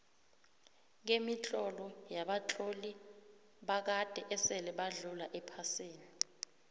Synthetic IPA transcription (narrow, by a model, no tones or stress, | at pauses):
ŋ̬emit͡ɬʼɔlɔjaɓat͡ɬʼoli | ɓak̬ad̥ʱɛʔɛsɛlɛɓaɮulaʔɛpʰasiːni